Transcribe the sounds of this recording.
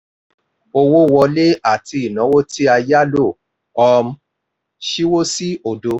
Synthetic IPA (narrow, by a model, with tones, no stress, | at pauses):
o˧wo˦˨wɔ˧le˦a˦˨ti˧i˨nã˨˦wo˦ti˦a˧ja˦lo˦˨ | ɔ˧m̩˦ | ʃi˦wo˦si˦o˨do˧